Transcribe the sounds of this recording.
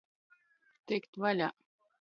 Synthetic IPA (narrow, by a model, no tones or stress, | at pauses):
t̪ekt̪valʲa